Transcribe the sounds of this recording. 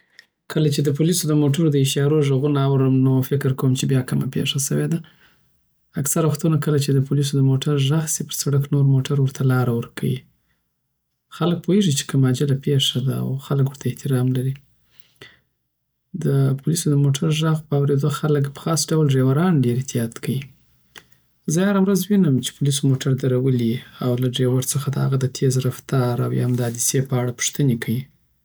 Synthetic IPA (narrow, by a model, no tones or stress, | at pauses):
kʰəlat͡ʃed̪əpulisod̪əmoʈaɾod̪əɪʃɑɾoʒəɣunaawɾəmnofɪkɪɾkawəmt͡ʃebjɑkəma̰pḛʂasəwed̪a | aksaɾawaxt̪unakəlat͡ʃed̪əpulis̬od̪əmoʈaɾʒaɣsipəɾsaɽaknoɾmoʈaɾwəɾt̪ʰalɑɾawəɾkʰa̰wḭ | xalək̚pʰoheʐit͡ʃe̥kəmɑd͡ʒalapeʂad̪aa̰wxalək̬wəɾt̪ʰaɪht̪ɪɾɑmlaɾi | d̪əpʰʊlisod̪əmoʈʰaɾʒɑɣpəawɾed̪oxaləkpə̥xɑsɖawlɖɾewaɾɑnɖeɾɪht̪ijɑt̪kawi | zəhaɾawɾazwinəmt͡ʃe̥pʊlis̬omoʈaɾd̪aɾawəliawlaɖɾewaɾt͡səxad̪əha̰ɣad̪ət̪ʰezɾaft̪ɑɾa̰wj̰amd̪əɑd̪isepəaɽapu̥ʂt̪ənekʰawi